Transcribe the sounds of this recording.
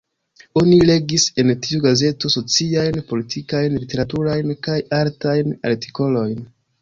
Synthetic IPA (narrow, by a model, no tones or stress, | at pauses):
o̞nile̞ɡise̞ntiuɡaze̞to̞so̞t͡siajnpo̞litʰikajnlite̞ɾatuɾajnkajaɾtajna̰ɾti̥ko̞lo̞jn